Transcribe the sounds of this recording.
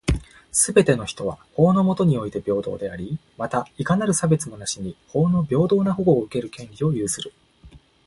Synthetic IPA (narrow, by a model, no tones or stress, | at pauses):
sɨbe̞t̪e̞no̞çi̥t̪o̞β̞a̰ho̞ːno̞mo̞t̪o̞ɲ̟io̞it̪e̞bʲo̞ːd̪o̞̰ːd̪e̞aɾʲimat̪aikanaɾɯ̟sabe̞t͡sɨmo̞naɕiɲ̟iho̞ːno̞bʲo̞ːd̪o̞ːnaɦoɡoːɯ̟ke̞ɾɯ̟kẽ̞nɾʲio̞jɯːsɨɾɯ̟